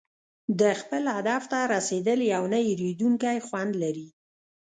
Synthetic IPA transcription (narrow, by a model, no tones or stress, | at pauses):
d̪əxpəlahd̪aft̪aɾased̪əljawnəjɾid̪uŋkajxwand̪laɾi